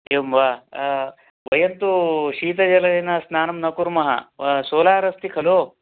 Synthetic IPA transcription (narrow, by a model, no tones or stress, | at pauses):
emʋaː | ʋɐjɐnt̪uʃiːt̪ɐd͡ʒɐlɐɾɐnɐsnaːnɐmnɐkuɾmɐɦɐ̰soːlaːɾɐst̪ikʰɐloː